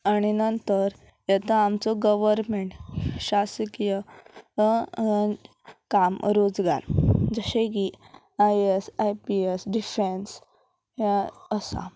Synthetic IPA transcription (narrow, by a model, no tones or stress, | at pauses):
aɽ̃inənt̪əɾ | jɛt̪aamt͡sɔɡəʋəɾmeɳʈɕaskijə | kamɾod͡zɡa̰ɾd͡zəɕeki | ajesajpiesɖifens | ɦaəsa̰